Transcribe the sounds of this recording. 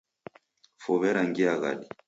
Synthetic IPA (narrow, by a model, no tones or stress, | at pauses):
fɔβɛɾaŋɡiaɣa̰ɗi